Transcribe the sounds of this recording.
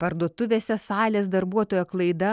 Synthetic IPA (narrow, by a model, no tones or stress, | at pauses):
pɐɾd̪uɔt̪ʊʋʲeːsʲɛsɑːlʲeːs̬d̪ɐɾbuɔt̪oːjoːklˠɐɪd̪ɐ